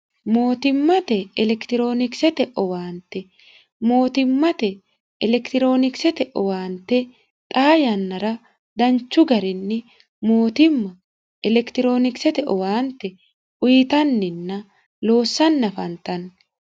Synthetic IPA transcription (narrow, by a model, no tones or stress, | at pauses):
mo̞ːt̪ɪmːɐt̪ɛɛlɛkt̪ɪɾo̞ːnɪksɛt̪ɛʔɔwaːnt̪ɛ | mo̞ːt̪ɪmːɐt̪ɛː | lɛkt̪ɪɾo̞ːnɪksɛt̪ɛʔɔwaːnt̪ɛ | t̪ʼaːjɐnːɐɾɐ | d̪ɐnt͡ʃːʊɡɐɾɪnːɪ | moːt̪ɪmːɐ | ɛlɛkt̪ɪɾo̞ːnɪksɛt̪ɛʔɔwaːnt̪ɛ | ʔʊjɪt̪ɐnːɪnːɐ | lo̞ːsːɐnːɐfɐnt̪ɐn